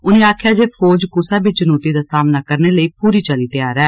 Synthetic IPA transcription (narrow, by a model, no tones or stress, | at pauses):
ʊnẽːaːkʰɪjaːd͡ʒeːpʰoːd͡ʒkʊsaːbiːt͡ʃənoːt̪iːd̪aːsaːmnaːkəɾneːləiːpuːɾiːt͡ʃəliːt̪ɪjaːɾɛː